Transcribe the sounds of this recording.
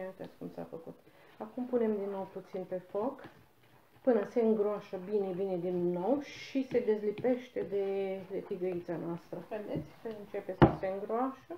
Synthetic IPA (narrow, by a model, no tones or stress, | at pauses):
ant̪a̰skumsa̰fəkut̪ | akumpune̞md̪inːo̞wput̪sinpe̞fo̞k | pɨnəse̞ɨŋɡɾoaʃəbinebine̞d̪inːo̞wʃise̞d̪e̞zlipe̞ʃt̪e̞d̪e̞d̪efiɡəit̪sanoast̪ɾəed̪et̪sʲkəɨnt͡ʃe̞pesəse̞ɨŋɡɾoaʃə